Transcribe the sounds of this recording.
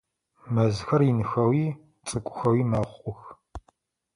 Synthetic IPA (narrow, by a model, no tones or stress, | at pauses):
mɐzxɐrɪnɨxɐwiː | t͡sʼɨkʷʼʊxɐwiːmɐχʷʊχʷʼʊx